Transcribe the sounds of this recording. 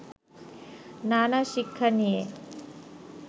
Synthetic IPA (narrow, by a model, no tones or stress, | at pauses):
naːnaʃikʰːɐnije